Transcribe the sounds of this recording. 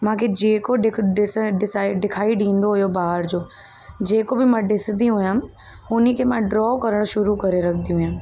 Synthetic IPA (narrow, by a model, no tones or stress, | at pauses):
mãːkʰed͡ʑeːkoɖɪɖsɪsɖɪkʰaːiɖʱĩːn̆d̪oɦʊijobaːɦəɾd͡ʑoː | d͡ʑeːkobɪmãɖɪsd̪ijũɦjãː | ʊnikʰemãɖɾɔːkɐɾəɽ̃ʃʊɾukɐɾeɾɐkʰnd̪ijũɦjãː